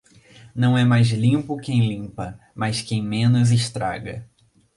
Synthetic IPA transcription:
nɐ̃w̃ɛmajzlĩmpʊkẽj̃lĩmpɐ | maskẽj̃mẽnʊzɪʃt̪ɾa̰ɡɐ

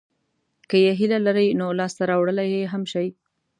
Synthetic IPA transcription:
kəjeɦilalaɾəjnolɑst̪aɾɑwɽəlajeɦamʃaj

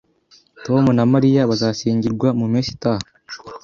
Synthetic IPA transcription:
to̞ːmunamaɾijaβazaːsiːɲɟiɾɡwamumiːsi̥taho

